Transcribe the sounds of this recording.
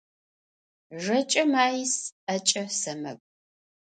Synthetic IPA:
ʒɐt͡ʃʼɐmaːjisɐt͡ʃʼɐsɐmɐ̰kʷʼ

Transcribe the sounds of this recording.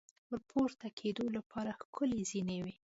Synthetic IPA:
wəɾpʰoɾt̪akʰed̪olapʰɑɾaxkʰʊlezinewi

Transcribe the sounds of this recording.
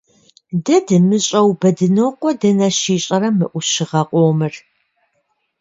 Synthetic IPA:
dɐdɨmɨɕʼɐwbɐdɨnoːqʷɔdɐnɐɕiːɕʼɐɾɐmɨʔʷʊɕɪʁɐqʷʼoːmɨr

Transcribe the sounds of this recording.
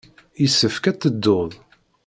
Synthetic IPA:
jisːəfkæt̪ːəd̪ːoðˤ

